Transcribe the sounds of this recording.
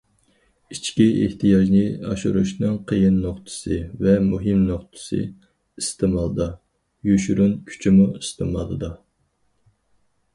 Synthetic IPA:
it͡ʃʰkʲieht̪ʰijɑʒnɨɑ̰ʃṵɾuʃnɨŋqʰəjɪnːoχt̪ʰɨ̥sɨvɛmuɦɨmnoχt̪ʰɨ̥sɨ̰ | ist̪ʰɨmɑlˠɨd̪ɑ | jyʃyɾunkʲʰy̥t͡ʃʰimuist̪ʰɨ̰mɑ̰lˠɨd̪ɑ

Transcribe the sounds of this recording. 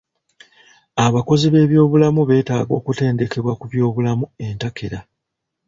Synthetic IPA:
aβako̞ziβe̞ːβjo̞ːβulamuβe̞ːtaːɡo̞ːkute̞ːnde̞ke̞βwakuβjo̞ːβulamue̞ntakʰe̞ɾa

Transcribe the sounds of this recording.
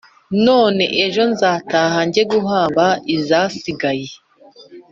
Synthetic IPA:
no̞ːne̞ʔeʒo̞nzaːtaːhaɲɟe̞ɡuɦaːmbaʔizaːsiɡaje

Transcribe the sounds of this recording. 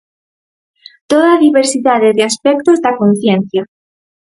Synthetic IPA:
t̪oðaðiβeɾsiðaðeðeaspek̚t̪ozd̪akon̟θjẽn̟θja

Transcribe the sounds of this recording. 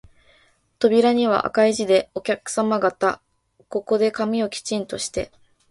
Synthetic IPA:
t̪o̞bʲiɾaɲ̟iβ̞a̰ʔa̰kaiʑid̪e̞o̞kʲakɯ̥samaɡat̪a | ko̞ko̞d̪e̞kamʲio̞kʲi̥t͡ɕĩnt̪o̞ɕi̥t̪e̞

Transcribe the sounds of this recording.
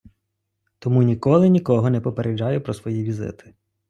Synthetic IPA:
t̪ɔmunʲikɔlˠɪnʲikɔɦɔnɛpɔpeɾʔed͡ʒajʊpɾɔsʋɔjiʋʲizɪ̰t̪ɪ̥

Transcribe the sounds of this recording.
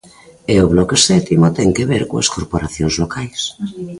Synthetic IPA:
eoβlɔkesɛt̪imot̪ɛŋkeβeɾkoaskoɾpoɾaθjoŋzlokajs

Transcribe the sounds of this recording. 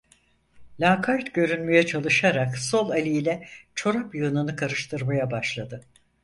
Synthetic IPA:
lʲaːkʰaɾt̪ɟø̞ɾynmejɛt͡ʃʰalˠɯʃaɾakso̞lˠalʲijlʲɛt͡ʃʰo̞ɾapjɯnɯnɯkʰaɾɯʃt̪ʰɯɾmajabaʃlˠad̪ɯ

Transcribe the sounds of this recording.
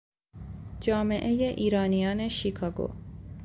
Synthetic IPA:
d͡ʒɑːmeʔejeʔiːɾɑːnijɑːneʃikʰɑːɡo̰

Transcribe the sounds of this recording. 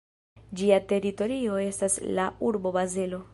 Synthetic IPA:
d͡ʒiate̞ɾito̞ɾio̞e̞staslauɾbo̞baze̞lo̞

